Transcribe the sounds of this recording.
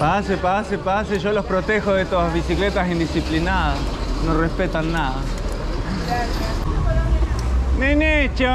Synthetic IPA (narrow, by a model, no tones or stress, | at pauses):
pasepasepas̬eʒolo̞spɾot̪exozðet̪oazβisiklet̪asind̪isiplinaðasnorespet̪anːaða | nenet͡ʃo